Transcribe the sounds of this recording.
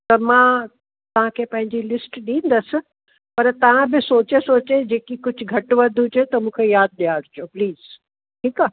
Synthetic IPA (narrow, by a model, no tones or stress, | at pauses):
t̪ɐmãː | t̪ɐʋ̤ãkʰeːpɐ̃ɦɪ̃ɲd͡ʑilɪsʈɗĩːnd̪əsɪ̆ | pɐɾt̪ɐʋ̤ãbɪsoːt͡ɕesoːt͡ɕed͡ʑeːkikʊd͡ʑʱʊɡʱɐʈʋɐd̪ʱʊd͡ʑet̪ɐmũːkʰejaːd̪̚ɗijaːɽʊt͡ɕijopliːz̥ | ʈʰiːkaː